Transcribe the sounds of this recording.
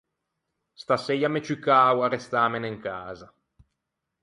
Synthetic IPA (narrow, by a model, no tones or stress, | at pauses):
st̪asejamet͡ʃikaːwarest̪aːmeneŋkaːza